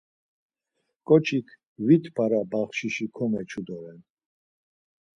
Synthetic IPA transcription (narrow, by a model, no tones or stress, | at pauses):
kʼɔt͡ʃʰikʰ | vit̪ʰpʰaɾabaχʃiʃikʰɔmɛt͡ʃʰud̪ɔɾɛn